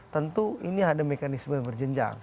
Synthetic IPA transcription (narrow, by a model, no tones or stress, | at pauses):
t̪ənt̪uiniadamekanisməjaŋbərd͡ʒəɲd͡ʒa̰ŋ